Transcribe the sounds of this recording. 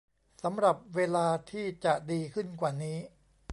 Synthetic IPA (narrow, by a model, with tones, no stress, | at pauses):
sa˩˦mɾa˨˩p̚weː˧laː˧t̪ʰiː˥˩t͡ɕa˨˩diː˧kʰɯ˥˩nkwaː˨˩niː˦˥